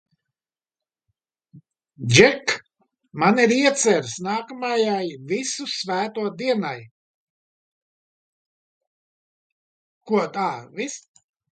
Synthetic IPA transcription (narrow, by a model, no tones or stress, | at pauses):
d͡ʒɛk | maniɾiɛt̪sɛɾsnaːkamajajvisusvæːt̪uɔd̪iɛnaj | kuɔt̪aːvis